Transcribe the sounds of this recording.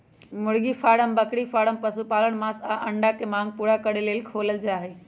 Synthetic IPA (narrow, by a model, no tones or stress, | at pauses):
mʊɽɡifʰaːɽəmbəkɽifʰaːɽəmpəsupaːləɽ̃mãːsaʔə̃ɳɖakʰemãːŋɡ̚puːɾakəɽeleːlkʰoːləld͡ʒaːɦeː